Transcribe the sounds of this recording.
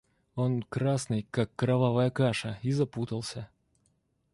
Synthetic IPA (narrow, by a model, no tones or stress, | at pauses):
onkɾasnɨjkakːɾɐvavəjəkaʂəizɐput̪əlˠsʲə